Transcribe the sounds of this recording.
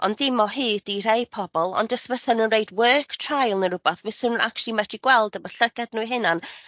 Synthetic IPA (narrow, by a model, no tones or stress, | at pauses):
ɔ̰nðɪmɔɦɨːd̥irejpʰɔbɔlˠɔ̰ndəsvəsanunreɨdwɜːkʰtʰrajlˠnəɾʊbaθvɪsənnʔa̰klˠimɛdiɡwɛlˠdəbəɬəɡadnuiɦɨnan